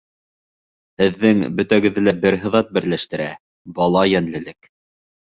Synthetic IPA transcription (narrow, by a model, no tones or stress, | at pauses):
hɘ̆ðːɘŋbɵ̆t̪æɡɘ̆ðɘlæbɘɾɦɤ̆ðɑt̪̚bɘ̆ɾlæʃt̪ɘ̆ɾæ | bɑlˠɑjænlɘ̆lɘk